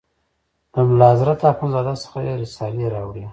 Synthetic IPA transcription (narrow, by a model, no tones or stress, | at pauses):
d̪əmʊlɑzɾat̪ɑkʊnzɑd̪asə̥xajeɾɪsɑliɾɑwɽi